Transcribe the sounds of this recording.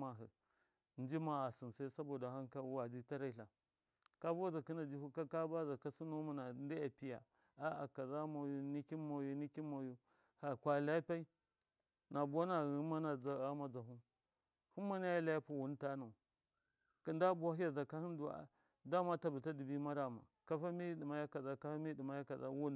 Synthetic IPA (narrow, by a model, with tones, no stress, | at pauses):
ma˦ɦə̰˨ | n˦d͡ʒi˦ma˦a˨si˨nsa˦i˦sa˦bo˨da˨ha˦nka˦wa˨d͡ʒi˦ta˦ɾa˦i˨ɬa˨ | ka˦ba˦za˨ki˦na˨d͡ʒi˦hu˦ka˦ka˦ba˦za˨ka˦si˦no˦ma˨na˨ndi˦a˨pi˦ja̰˨ | a˦a̰˨ka˨za˦ma˨ju˦ni˦ki˦mo˨ju˦ni˦ki˦ma˨ju˦ | ha˨kʷa˨la˦pa˦i˦ | na˨ba˦na˨ɣi˦ma˦na˨d͡za˨ɣa˦ma˦d͡za˨ɦu˦ | hu˦ma˦na˦ja˦la˦ja˦pu˨wu˨˦n˦ta˦na˨ | ki˨nda˦bu˦wa˦ɦi˦ja˨za˨ka˦hi˦n˦dṵ˨˦˨ | da˦ma˦ta˨bi˨ta˦di˨bi˦ma˦ɾa˨ma̰˨ka˦fa˦mi˦di˨ma˨˦ja˦ka˨za˦ka˦fa˦mi˦di˨ma˨˦ja˦ka˨za̰˦wu˦n˨